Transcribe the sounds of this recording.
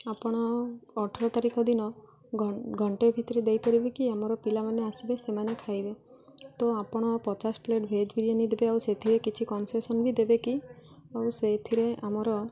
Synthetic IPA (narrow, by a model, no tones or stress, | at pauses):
apɔɽ̃ɔːʈʰɔɾɔt̪aɾikɔd̪inɔ | ɡʱɔɳʈebʱit̪ɔɾed̪ejpɔɾibikiamɔɾɔpilamaneasibesemanekʰajbet̪oapɔɽ̃ɔpɔt͡ʃaspleʈbʱed͡ʒbʱiɾienid̪ebeawset̪ʰiɾekit͡ʃʰikɔnsesɔnbʱid̪ebekiawset̪ʰiɾeʔamɔɾɔ